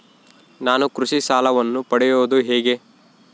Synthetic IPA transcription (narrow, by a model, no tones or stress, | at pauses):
naːnukɾuʂisaːlɐʋɐnːupɐɽɛjoːd̪uɦeːɡe̞